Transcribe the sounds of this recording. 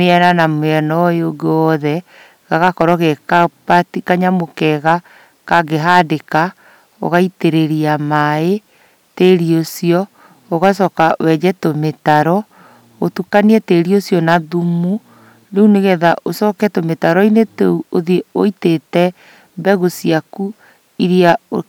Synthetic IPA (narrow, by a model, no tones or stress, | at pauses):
meɛnanameɛnɔeoɡeɔðɛ | ɣaɣakɔɾɔɣekapatikaɲamokɛɣa | kaɡeɦadeka | o̰ɣaiteɾeɾiamae | teɾiosiɔ | oɣas̬ɔːkawɛd͡ʑɛtometaɾɔ | otukaniɛteːɾiosjɔnaðumu | ɾeuneɣɛðaʔosɔːkɛtometaɾɔineteuoðeoitetɛ | bɛɣosiaku | iɾia